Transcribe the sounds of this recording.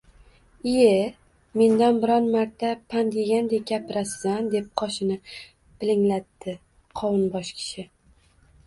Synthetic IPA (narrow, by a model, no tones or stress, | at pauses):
e | me̞nd̪anbɪɾɒnmaɾt̪ʰːapʰand̪eɡʲand̪e̞ɡʲapɪɾaszand̪e̞p̚qʰɒʃɪnɪ | pɪlɪŋlat̪ːɪ | qʰɒwɪnbɒʃkʲʰɪ̥ʃɪ